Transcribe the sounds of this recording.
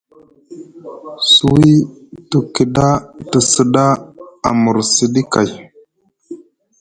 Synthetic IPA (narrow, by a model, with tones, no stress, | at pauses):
su˦˨wi˦tu˨ki˨da˦tə˨sə˨da˦a̰˨mu˨ɾsi˦di˦ka˨j